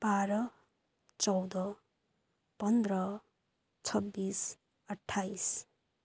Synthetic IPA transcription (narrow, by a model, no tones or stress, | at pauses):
b̥aɾʌ | t͡sʌwd̪ʌ | pʌnd̪rʌ | t͡sʰʌbːis | ʌʈʰːajs